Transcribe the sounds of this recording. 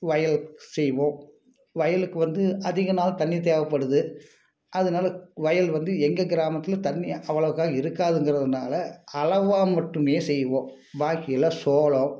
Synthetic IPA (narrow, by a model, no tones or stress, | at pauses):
ʋɐjɐlsɛjʋõː | ʋɐjɐlɯkːɯʋɐnd̪ɯɐðɪɣɐnaːlɐt̪ɐnːit̪̬eːʋɐpːɐɽɯðɯ | ʔɐðɯnaːlɐʋɐjɐlʋɐnd̪ɯɛŋɡɐɡɪɾaːmɐt̪ːɪlɐt̪ɐnːiɐʋːɐɭɐʋɯkːaːɣɐɪɾɯkːaːðɯŋɡɪɾɐðɯnaːlɐɐlɐʋaːmɐʈːɯmeːsɛjːʋõː | baːkɪjɪlɐsoːɭõ